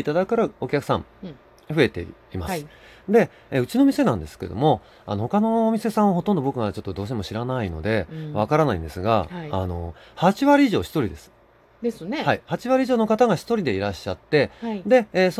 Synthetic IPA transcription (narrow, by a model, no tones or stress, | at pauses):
it̪ad̪akɯkaɾao̞kʲakɯ̟̥sã̰ɴ | ɸɯ̟e̞t̪e̞̰imasɨ̥ | d̪e̞ | eɯ̟t͡ɕinoːmʲise̞nãnd̪e̞sɨ̥ked̪o̞̰mo̞ | a̰no̞ho̞kano̞ːmʲise̞sãɰ̃βaɦo̞t̪õnd̪o̞bo̞kɯ̟mad̪et͡ɕo̞t̪ːod̪oːɕiemo̞ɕiɾanaino̞̰d̪e̞βakaɾanaḭ̃nd̪e̞sɨɡa̰ːno̞ | hat͡ɕiβaɾʲiiʑo̞ːɕi̥t̪o̞ɾʲid̪e̞sɨ̥ | d̪esnehaihat͡ɕiβaɾʲiʑoːno̞kat̪aɡaɕçi̥t̪o̞ɾʲid̪e̞iɾaɕːat̪ːe̞d̪e̞ːso